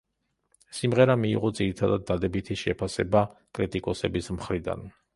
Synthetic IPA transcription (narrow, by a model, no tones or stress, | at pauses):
simʁɛɾamḭːʁɔd̪ziɾit̪ʰad̪ad̪ːad̪ɛbit̪ʰiʃɛpʰasɛbakʼɾit̪ʼikʼɔsɛbismχɾid̪a̰n